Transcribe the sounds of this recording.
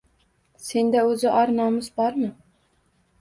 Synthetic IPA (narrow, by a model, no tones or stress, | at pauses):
se̞nd̪aɵzɪʔɒɾnɒmɪzbɒɾmɪ